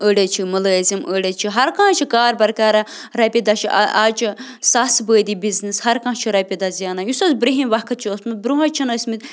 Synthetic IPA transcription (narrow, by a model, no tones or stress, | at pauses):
əɽet͡ʃʰimuləːzimʔəːɖet͡ʃʰiɦɐɾkãːt͡ʃʰikaːɾbɐɾkaːɾɐ | ɾɐpʲid̪ɐʃʰiʔʔaːt͡ʃʰisasbəːd̪ibiznishɐɾkãːt͡ʃʰiɾɐpʲid̪ɐzjaːnɐjusɐzbɾiɦinʲʋɐkʰɐt̪̚t͡ʃʰiəsmɨt̪̚bɾuɦɐt͡ʃʰɐnəsmit̪